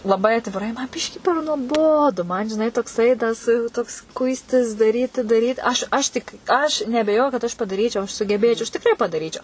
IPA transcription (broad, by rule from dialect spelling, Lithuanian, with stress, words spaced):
lˠɐˈbɐɪ ɐtʲʋʲɪˈrɐɪ mɐn ˈbʲɪʃʲkʲiː pʲɛr nuɔˈboːdʊ mɐn ʒʲɪˈnɐɪ toːkˈsɐɪ ˈtɐs toːks ˈkʊɪsʲtʲɪs dɐˈrʲiːtʲɪ dɐˈrʲiːt ɐʃ ɐʃ ˈtʲɪk ɐʃ nʲɛɐbʲɛˈjoːjʊ kɐt ɐʃ pɐdɐˈrʲiːt͡ʃʲɛʊ ɐʃ sʊɡʲɛˈbʲeːt͡ʃʲɛʊ ɐʃ tʲɪkˈrɐɪ pɐdɐˈrʲiːt͡ʃʲɛʊ